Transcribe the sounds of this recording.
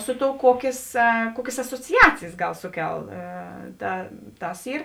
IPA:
ˈsʊ ˌtoːʊ ˈkuɔkʲeːs ˈkuɔkʲeːs ɐsoːt͡sʲɪˈɑːt͡sʲɪjeːs ˈɡɐlˠ ˈsʊˌkʲɛlˠ ˈtɐ ˈtɐs ˈiːr

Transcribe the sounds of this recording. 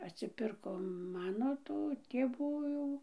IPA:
ɐtʲsʲɪˈpʲɪrkoː ˈmɑːnoː tʊ tʲeːˈʋuː jɛʊ

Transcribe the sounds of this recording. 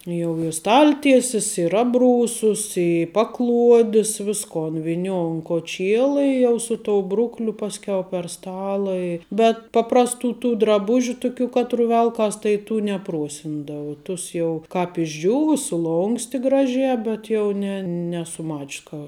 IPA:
jɛʊ ɪ ˈstɐlʲˌtʲiɛsʲɪs ɪr ˈɑːbˌruːsʊs ɪ ˈpɑːˌklˠuɔdʲɪs ˈʋʲɪskoːn ʋʲɪˈnʲoːʊ ʊn koːˈt͡ʃʲiɛlˠɐ ɪ jɛʊ ˈsʊ ˌtoːʊ ˈbrʊklʲʊ ˈpɑːsʲkʲɛʊ pʲɛr ˈstɑːlˠɐ ɪ bʲɛt ˈpɑːprɐsˌtuː tuː drɐˈbʊʒʲʊ ˈtʊˌkʲuː ˈkɑːtˌrʊ ˈʋʲɛlˠkɐs tɐɪ tuː nʲɛˈpruɔsʲɪndɐʋɐ ˈtʊs jɛʊ ˈkɑːp ɪʒʲˈd͡ʒʲuːʋʊ sʊˈlˠoːŋksʲtʲɪ ˈɡrɑːˌʒʲɛː ˈbʲɛt jɛʊ nʲɛ ˈnʲæːsʊ ˈmɐt͡ʃʲs kɐ

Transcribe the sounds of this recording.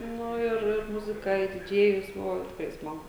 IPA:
ˈnʊ ɪr ɪr ˈmʊzʲɪkɐ ɪ dʲɪˈd͡ʒʲeːjʊs ˈbʊʋoː ˈtʲɪkrɐɪ ˈsmɑːɡʊ

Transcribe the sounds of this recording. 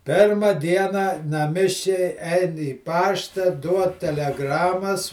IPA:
ˈpʲeːrmɐ ˈdʲiɛnɐ nɐˈmʲɪʃʲkʲɛɪ ˈɛɪn iː ˈpɑːʃtɐ ˈduɔt tʲɛlʲɛˈɡrɑːmɐs

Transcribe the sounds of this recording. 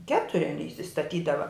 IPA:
ˈkʲæːtʊrʲɪ ɐˈnʲiː ɪsʲɪstɐˈtʲiːdɐʋɐ

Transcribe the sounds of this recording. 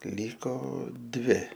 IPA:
ˈlʲiːkoː ˈdʲʋʲɪ

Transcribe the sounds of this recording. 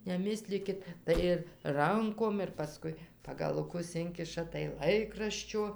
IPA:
nʲɛˈmʲɪsʲlʲiːkʲɪt ˈtɐɪ ɪr ˈrɐŋkoːm ɪr pɐˈskʊɪ pɐɡɐlˠʊˈkʊs ˈɪŋʲkʲɪʃɐ tɐɪ ˈlˠɐɪkrɐʃʲt͡ʃʲoː

